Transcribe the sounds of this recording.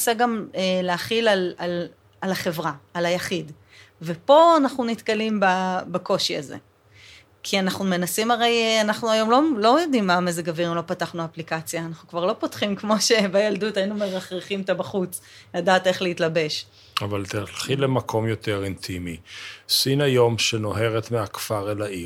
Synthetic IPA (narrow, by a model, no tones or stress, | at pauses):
saɡameleaχilalal | alaχe̞vʁaːlajaχid | vepo̞anaχnunit̪kalimbabako̞ʃia̰zḛ | kʰianaχnume̞nasimaʁe̞janaχnuajo̞mlo̞lo̞jodimːamezeɡaviʁimlo̞pataχnuaplikat͡sjaːnaχnukvaʁlo̞po̞tχimkmo̞ʃebajaldutainumeʁaχʁeχimt̪abaχut͡s | ladaːte̞χleitlabe̞ʃ | avalt̪alχilemakʰo̞mjo̞te̞ʁint̪ʰimisinajo̞mʃeno̞ɦe̞ʁet̪meakfaʁelaʔi